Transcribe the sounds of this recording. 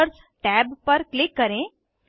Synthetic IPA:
əɾs | ʈɛːbpɐɾklɪkːəɾẽ

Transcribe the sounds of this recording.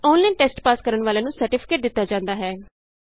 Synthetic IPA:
ɔ̃ːnlãːʈɛːsʈpaːskəɾəɳʋaːlẽːnũːsəɾʈɪpʰɪ̥keːʈ̚d̪ɪt̪ːaːd͡ʒãːnd̪aːɦɛː

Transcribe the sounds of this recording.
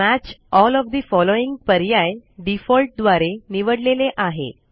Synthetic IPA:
mæt͡ɕɔlɔʋd̪ifɔloiŋɡ̚pəɾjajɖifɔlʈ̚d̪ʋaɾeniʋəɽleleʔaɦḛ

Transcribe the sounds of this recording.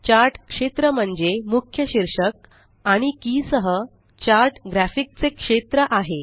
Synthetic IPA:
t͡ɕaɾʈkʂet̪ɾəm̤əɳd͡zemukʰjəɕiɾʂək̚ | aɽ̃ikisəɦə | t͡ɕaɾʈɡɾæfik̚t͡sekʂet̪ɾəʔaɦe

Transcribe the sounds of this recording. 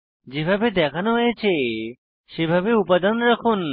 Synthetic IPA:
d͡ʑebʱabed̪ɛkʰanoɦojet͡ɕʰe | ʃebʱabeupad̪anɾakʰon

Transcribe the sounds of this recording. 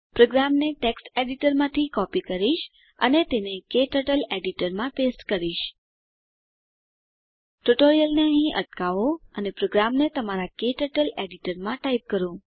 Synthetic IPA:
pɾoɡɾamneʈeksʈeɖiʈəɾmãt̪ʰikɔpikəɾiʃ | ənet̪enekeʈəʈəleɖiʈəɾmãpesʈkəɾiʃ | ʈuʈoɾijəlneəɦĩʔəʈkaʋoənepɾoɡɾamnet̪əmaɾakeʈəʈəleɖiʈəɾmãʈaip̚kəɾũ

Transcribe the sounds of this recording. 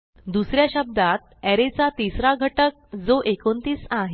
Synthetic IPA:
d̪usɾjaɕəb̚d̪at̪̚ɛɾet͡sat̪isɾaɡʱəʈək̚d͡zoʔekont̪iːsaɦe

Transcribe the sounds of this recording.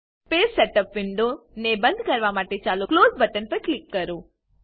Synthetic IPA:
pessɛʈəpʋɪɳɖonebə̃nd̪ʱkəɾʋamaʈet͡ʃaluklozbəʈənpəɾklikːəɾũ

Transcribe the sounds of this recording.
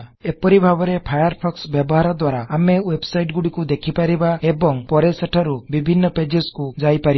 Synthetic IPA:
ɛpɔɾibʱabɔɾepʰajaɾpʰɔksbjɛbɔɦaɾad̪waɾaamewebsajʈ̚ɡuɽikud̪ekʰipaɾibaɛbɔŋpɔɾɛsəʈʰaɾubibʱinːɔped͡ʒeskud͡ʒajpaɾi

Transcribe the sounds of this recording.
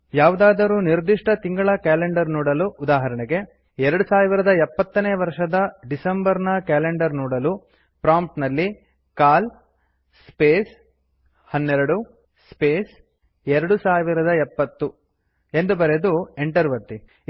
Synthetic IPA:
jaːʋud̪aːd̪ɐɾuːniɾd̪iʂʈɐt̪iŋɡɐɭɐkaːleɳɖɐɾnɔːɽɐluʔud̪aːɦɐɾɐɳeɡe̞ | ɛɾɐɽusaːʋiɾɐd̪ɐɛpːɐt̪ːɐneːʋɐɾʂɐd̪ɐɖisɐmbɐɾnɐkaːleɳɖɐɾnɔːɽɐlu | pɾaːmp̚ʈnɐlːi | kaːl | speːs | hɐnːɛɾɐɽu | speːs | ɛɾɐɽusaːʋiɾɐd̪ɐɛpːɐt̪ːu | e̞nd̪ubɐɾed̪ueɳʈɐɾʋɐt̪ːi

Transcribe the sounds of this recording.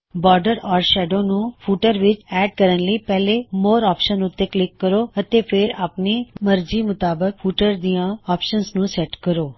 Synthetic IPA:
bɔːɾɖəɾɔːɾʃɛːɖoːnũːpʰuːʈəɾʋɪt͡ʃɛːɖ̚kəɾənləiːpɛːleːmoːɾɔːpʃənʊt̪ːeːklɪkːəɾoːət̪eːpʰɪɾaːpneːməɾd͡ʒiːmʊt̪aːbək̚pʰuːʈəɾd̪ijãːɔːpʃənsnũːsɛʈkəɾoː

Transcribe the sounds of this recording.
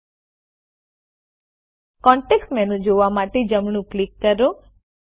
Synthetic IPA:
kɔɳʈeksʈmɛ̃nũd͡ʒoʋamaʈed͡ʒəmɽ̃ũklikːəɾo

